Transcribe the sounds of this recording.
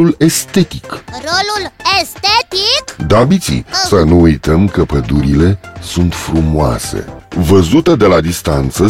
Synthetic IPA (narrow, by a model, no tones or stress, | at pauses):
ule̞st̪e̞t̪ikrolulest̪et̪ikd̪abit̪sḭsənuujt̪əmkəpəd̪uɾile̞sunt̪fɾumoa̰sḛvəzut̪əd̪e̞lad̪ist̪ant̪sə